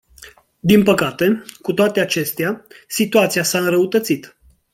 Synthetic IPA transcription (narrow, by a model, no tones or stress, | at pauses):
d̪inpəkat̪e̞kut̪oat̪e̞at͡ʃe̞st̪easit̪uat̪siasaɨnɾəut̪ət̪sit̪